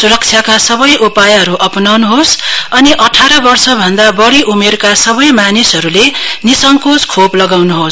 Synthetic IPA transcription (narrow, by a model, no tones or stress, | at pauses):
suɾʌk̚t͡ʃʰjakasʌbʌjʔupajɦʌɾuʔʌpnʌwnuɦosʌniʔʌʈʰaɾʌbʌrsʌbʱʌnd̪abʌɽiʔumerkasʌβʌjmanisɦʌɾulenisʌŋkoskʰoplʌɡawnuɦos